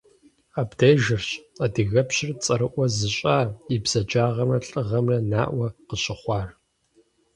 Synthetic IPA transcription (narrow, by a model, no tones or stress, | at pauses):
aːbdeːʒɪrɕadɨɣɐpɕɪrt͡sʼɐɾɨʔʷɔzɨɕʼaːibz̥ɐd͡ʒaːʁɐmrɐɬʼɨʁɐmrɐna̰ːʔʷɐqəɕɪχʷɑːr